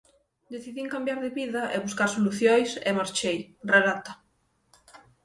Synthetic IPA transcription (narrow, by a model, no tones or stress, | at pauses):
d̪eθiðiŋkambjaɾðeβiðaʔeβuskaɾsoluθjojsḛmaɾt͡ʃejreðat̪a